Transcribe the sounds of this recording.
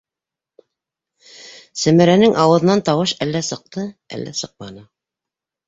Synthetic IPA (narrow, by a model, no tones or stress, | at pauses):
sæmæɾænɘŋʔɑwɤ̆ðɤnɑnt̪ɑwɤʃælːæsɤ̆q̚t̪ɤæ̰lːʔæ̰sɤq̚mɑnɤ